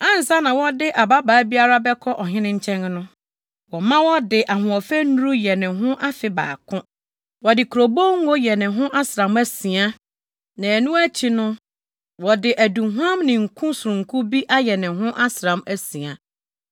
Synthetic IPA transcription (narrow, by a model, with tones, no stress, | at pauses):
ã˦n̩˨sa˦nã˨wɔ˦dɪ˦ʔa˨ba˦baː˨˦bi˦a˦ɾa˦bɛ˦kʰɔ˦ʔɔ˨ɦɪ̃˦nɪ̃˦ɲ̩˦t͡ɕʰɛ̃˦ŋnʊ̃˦ | wɔ˨mã˦wɔ˦dɪ˨ʔa˨ɦʊ̃˨ɔ˨fæ˦nũ˦ɾu˦jɛ˨nɪ̃˨ɦʊ̃˦ʔa˦fɪ˨ba̰ː˨kʰʊ̃˦ | wɔ˨dɪ˨kʰu˨ɾo˨bo˦ŋ˦wɔ˦jɛ˨nɪ̃˨ɦʊ̃˦ʔa˦sɾã˨mæ˦si˨a˦ | nã˨nũ˦æ˦t͡ɕʰi˨nʊ̃˦ | wɔ˨dɪ˨ʔæ˨dũ˨ɦʷã˦mnɪ̃˨ŋ̩˨kʰũ˦su˨ɾũ˨ŋ̩˨kʰũ˦bi˦ʔa˦jɛ˨nɪ̃˨ɦʊ̃˦ʔa˦sɾã˨mæ˦sĩ˨a˨